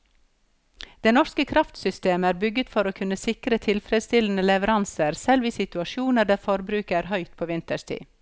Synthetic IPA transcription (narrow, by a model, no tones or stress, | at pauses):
d̪̥eːnɔʃkəkʰɾɑft̪sʏst̪eːməæːɾbʏɡət̪fɔɾoːkʰʉnəsɪkɾət̪ʰɪlfɾɛd̪st̪ɪln̩əlɛʋəɾɑnsəɾsɛlʋiːsɪt̪ʉɑʃuːnəɖæːɾfɔɾbɾʉːkəæːɾhœʏt̪̚pʰoːʋɪnt̪əst̪ʰḭː